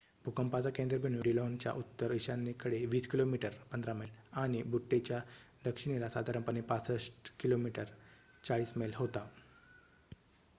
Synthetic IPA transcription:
bʱukəmpat͡sakẽnd̪ɾəbʱeɳ̃juɖilont͡ɕja̰ʔut̪ːəɾiɕãnːekəɽeʋiːskilomiʈəɾpənd̪ʱɾaməlaɽ̃ibuʈːet͡ɕjad̪əkʂiɽ̃ilasad̪ʱaɾəmpənepat͡səʂʈkilomiʈəɾ | t͡saɭiːsməlɦot̪a

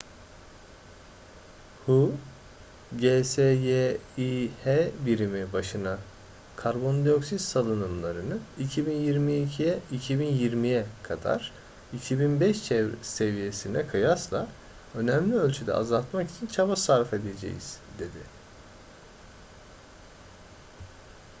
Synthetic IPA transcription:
hu | ɟesejeihebiɾimibaʃɯna | kʰaɾbo̞nd̪io̞ksissalˠɯnɯmlˠaɾɯnɯicʰibinjiɾmiicʰijɛicʰibinjiɾmijɛkʰad̪a̰ɾ̥ | icʰibinbɛʃt͡ʃʰɛvɾse̞vije̞sinɛkʰɯjaslˠa | ø̞næmlʲiø̞lʲt͡ʃʰyd̪ɛ̰a̰zalˠt̪maki̥t͡ʃʰint͡ʃʰabasaɾfe̞d̪e̞d͡ʒḛjḭz̥d̪e̞d̪ɪ̰

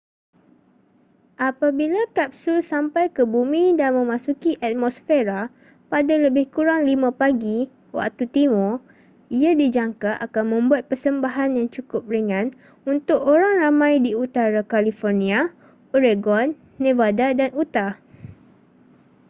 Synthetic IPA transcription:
ʔapabilakap̚susampajkəbumĩdanmə̃mãsukiʔat̪̚mɔsfeɾa | padaləbɪhkuɾaŋlimãpaɡi | wa̰k̚t̪ut̪imɔ | iadid͡ʒaŋkaʔakanmə̃mbuat̪̚pərsəmbaɦanjaŋt͡ʃukʊp̚riŋãn | unt̪ʊkoɾaŋramãjdiut̪aɾakalifɔrnĩa | oɾeɡɔnː | ẽvadadanut̪a

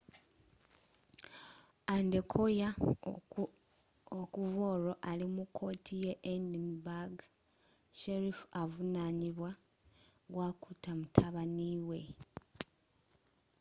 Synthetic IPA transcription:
andekʰo̞ja | okuvo̞ːɾo̞ʔalimukʰːo̞ːtʰijeʔendinbaɡ | ʃeɾifavunaːɲiβwa | ɡwakutamutʰaβaniwe̞

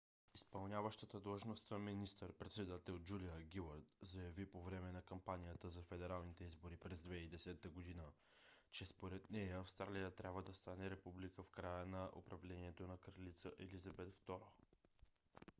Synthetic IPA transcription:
ispɐlˠnʲjavəʃt̪ət̪əd̪lˠəʒnost̪əminist̪əɾpɾɛt̪sɛd̪at̪ɛlˠd͡ʒulijəɡʲilˠəɾt̪zɐjɐvipovɾɛmɛnɐkɐmpanʲijət̪əzɐfɛd̪ɛɾalˠnit̪ɛizboɾipɾɛzd̪vɛid̪ɛsɛt̪əɡod̪inə | t͡ʃɛspoɾɛt̪nɛjəːfst̪ɾalijət̪ɾʲabvəd̪ɐst̪anɛɾɛpublikəfkɾajənɐʔo̰pɾɐvlɛniɛt̪onɐkɾəlit̪səʔɛlizɐbɛt̪ft̪ɔɾo

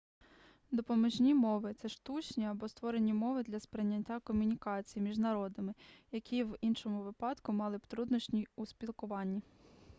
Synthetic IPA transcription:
d̪ɔpɔmɔʒnʲimɔʋɪt̪sɛʃt̪ut͡ʃnʲiɐbɔst̪ʋɔɾe̞nʲimɔʋɪd̪lʲɐspɾɪnʲːɐtʲːakɔmʲʊnʲikɑt͡sʲijimʲiʒnɐɾɔd̪ɪmɪjɐkʲʰiʋinʃɔmʊʋɪpɑd̪kʊmɑlˠɪpt̪ɾud̪nɔʃnʲiuspʲilˠkʊʋɑnʲːi

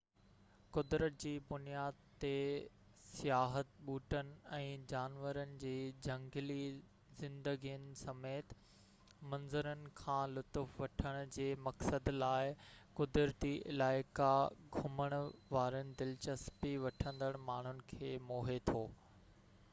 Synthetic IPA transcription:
kʊd̪ɾət̪̚d͡ʑiːbʊnijaːd̪t̪e | sijaːɦət̪̚ɓuːʈənɪ̆ɛ̃ːd͡ʑaːnʋəɾənɪ̆d͡ʑiːd͡ʑɐ̃ŋɡli | zɪ̃nd̪əɡijənɪ̆sɐmeːt̪ | mɐ̃nzəɾənɪ̆kʰãːlʊt̪ʊfʋɐʈʰəɽ̃ʊ̆d͡ʑeːmɐksəd̪laːɪkʊd̪ɾət̪iʔɪ̰laːɪkaɡʱʊməɽ̃ʊʋaːɾənɪ̆d̪ɪlt͡ɕəspiʋɐʈʰə̃nd̪əɽ̃maːɳ̤ʊnɪ̆kʰeːmoːɦet̪ʰoː

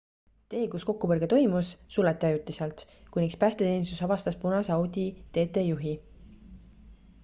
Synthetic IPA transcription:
t̪e̞ːkusko̞kːupɤrɡ̥e̞t̪o̞jmusːulɑt̪ːˑiɑjut̪ːˑiselt̪kujnːikspæːst̪e̞t̪e̞ːnʲist̪usɑvɑst̪ɑspunɑsɑwd̪̥ʲit̪e̞ːt̪ːˑe̞juɦi

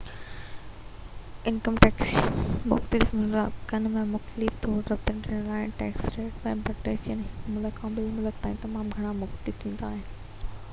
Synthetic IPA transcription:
ɪnkəmʈɛːksmʊ̰xt̪əlɪfʊkɐnmẽmʊxt̪əlɪft̪ʰoːɾɾɐb̚t̪ə̃nʈʰinəlaːɦɪnʈɛːksʈeːʈɛ̃ːpɐʈeːsənɦɪkmʊləkʰãːɓɪlmʊlək̪̚t̪ãːĩt̪ɐmaːmɡʱɐɽ̃amʊxt̪əlɪft̪ʰĩːn̆d̪aːɦɪnɪ̆

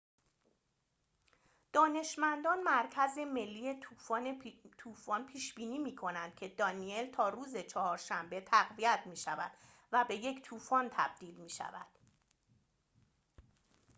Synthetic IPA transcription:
d̪̥ɒːne̞ʃmænd̪ɒːnmæɾcʰæze̞me̞lːiːje̞ufɒːnet̪ʰuːfɒːnpʰiːʃbiːniːmiːkʰo̞nænd̪̥̚cʰe̞d̪ɒːnie̞lt̪ʰɒːɾuːze̞t͡ʃʰɒhɒːɾʃæmbe̞t̪ʰæɣvijæt̪ʰmiːʃævæ̰d̪̥ | væbe̞je̞ct̪ʰuːfɒːnt̪ʰæ̰b̚d̪̥iːlmiːʃæ̰væ̰d̪̥

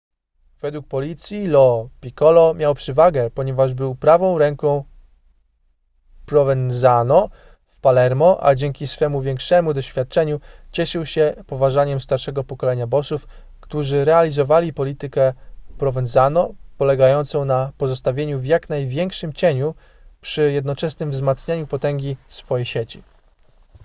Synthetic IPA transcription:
v̥ɛd̪wuk̚pɔlʲit̪sʲjilɔpʲikɔlɔmʲjawpʂɘvaɡɛpɔɲɛvaʐbɘwpɾavɔ̃w̃ɾɛŋkɔ̃w̃ | pɾɔvɛnzanɔ | fpalɛɾmɔʔa̰d͡ʑɛŋkʲisfɛmuvʲjɛŋkʂɛmud̪ɔɕfʲjat̪̚t͡ʂɛɲut͡ɕɛʂɘwɕɛpɔvaʐaɲɛmst̪aɾʂɛɡɔpɔkɔlɛɲabɔsuf | kt̪uʐɘɾɛalʲizɔvalʲipɔlʲit̪ɘkɛpɾɔvɛnzanɔpɔlɛɡajɔnt̪sɔ̃w̃napɔzɔst̪avʲjeɲuvjakn̪ajvʲjɛŋkʂɘmt͡ɕeɲu | pʂɘjɛd̪̚nɔt͡ʂɛsnɘmvzmat̪sɲaɲupɔt̪ɛŋɡʲisfɔjejɕet͡ɕi

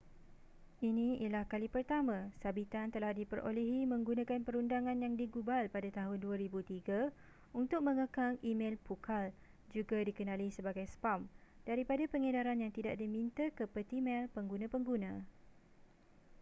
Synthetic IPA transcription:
inĩilahkalipərt̪amãsabit̪ant̪əlahdipəɾʔo̰lɛɦimə̃ŋɡunãkanpəɾundaŋãnjaŋdiɡubalpadat̪aɦʊnduaɾibut̪iɡa | unt̪ʊk̚mə̃ŋəkaŋimẽlpukʰal | d͡ʒuɡadikənãlisəbaɡajspamd̥aɾipadapəŋədaɾanjaŋt̪idaʔdimĩnt̪akəpət̪imɛlpəŋɡunãpəŋɡunã

